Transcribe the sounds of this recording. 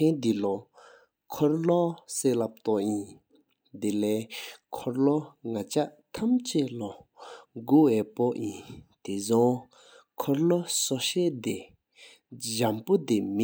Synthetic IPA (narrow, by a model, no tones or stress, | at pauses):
end̪ilɔ | kʰɔɹlɔseːlap̚t̪ɔʔjin | d̪elɛːkʰɔɹlɔŋat͡ɕaʔt̪ʰamt͡ɕelɔɡoɛpoʔjint̪ezɔ | kʰɔɹlɔsɔɕɛːʔd̪e | d͡ʑampod̪emi